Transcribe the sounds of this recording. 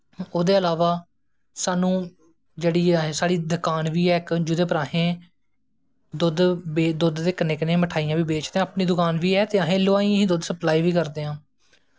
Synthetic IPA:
oːd̪eːəlaːʋaː | saːnũː | d͡ʒeːɽiːsaːɽiːd̪əkaːnʋiːɛːkd͡ʒʊd̪ẽːpəɾaːɦẽː | d̪ʊd̪bed̪ʊd̪d̪eːkənɪknẽːməʈʰaːijãːʋiːbeːt͡ʃd̪eːãːpniːd̪ʊkaːnʋiːɛːt̪eːaɦẽːloaːĩːɦĩːd̪ʊd̪səplaːiːʋiːkəɾd̪eːãː

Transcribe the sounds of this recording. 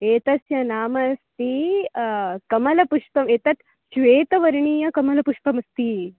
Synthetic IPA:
eːt̪ɐsjɐnaːmɐst̪i | kɐmɐlɐpuʂpɐmeːt̪ɐt̪ | ʃʋeːt̪ɐʋɐɾɳiːjɐkɐmɐlɐpuʂpɐmɐst̪i

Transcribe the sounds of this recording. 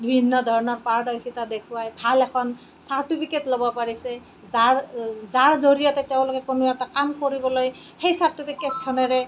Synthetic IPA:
bibʱinːɔd̪ʱɔɹɔnɔɹpaɹdɔɹkʰitad̪ekʰuwajbʱalɛkʰɔn | saɹtipʰiketlobɔpaɹisɛ | zaɹzaɹzoɹijɔtɛteʊ̃lokɛkonʊɛtakamkoɹibɔloj | xejsaɹtipʰiket̚kʰanɔɹɛ

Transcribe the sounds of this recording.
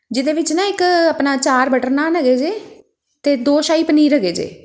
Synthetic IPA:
d͡ʒɪd̪eːʋɪt͡ʃnãːɪkəpnaːt͡ʃaːɾbəʈəɾnaːnəɡeːd͡ʒeː | t̪eːd̪oːʃaːiːpəniːɾəɡeːd͡ʒḛː

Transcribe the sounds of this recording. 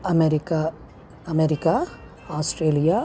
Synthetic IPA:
ɐmeɾika | ɐmeɾɪka | aːsʈɾeːlija

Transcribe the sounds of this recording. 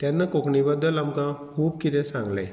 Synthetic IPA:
t̪janːəkokɳibəd̪ːəlamkãkʰuːb̚kit̪ɛ̃sãŋɡla̰j

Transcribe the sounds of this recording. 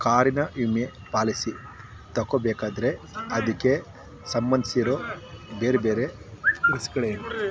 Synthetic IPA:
kaːɾinɐʔime | paːlisi | t̪ɐkobeːkaːd̪ɐɾe̞ɐd̪ikːe̞ | sɐmbɐnd̪i̥siɾoːbeːɾebeːɾe | ɡuskɐɭenu

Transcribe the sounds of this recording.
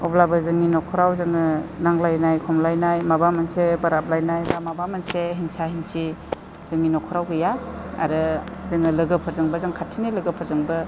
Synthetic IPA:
ɔblabɯzɯŋninɔkʰɔɾawzɯŋɯnaŋlajnajkʰɔmlajnajmabamansebaɾap̚lajnajbamabamanseɦinsahinsʰi | z̥ɯŋninɔkʰɔɾawɡɯjaa̰ɾɯzɯŋɯlɯɡɯpʰɯɾzɯŋbɯzaŋkʰatʰinilɯɡɯpʰɯɾzɯŋbɯ

